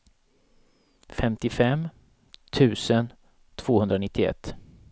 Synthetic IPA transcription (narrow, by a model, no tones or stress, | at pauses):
fɛmt̪ɪfɛm | t̪ʰʉ̟ːsən | t̪ʰv̥oːhɵnd̪ɾanɪt̪ʰːɪɛ̰t̪ː